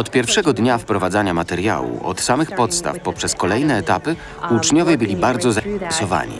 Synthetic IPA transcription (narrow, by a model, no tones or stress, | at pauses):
ɔt̪pʲjɛɾfʂɛɡɔd̪ɲafpɾɔvad̪zaɲamat̪ɛɾja̰wṵʔɔ̰t̪samɘxpɔt̪st̪a̰fpɔpʂɛskɔlɛjnɛːt̪apɘ | ut͡ʂɲɔvjɛbɘlʲibaɾd̪zɔzaɛsɔva̰ɲḭ